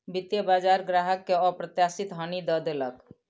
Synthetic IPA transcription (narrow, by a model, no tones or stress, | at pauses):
bɪt̪jəbaːd͡ʒaːɾɡɾaɦəkːeɔpɾət̪jaːsɪt̪ɦənid̪ɔd̪elək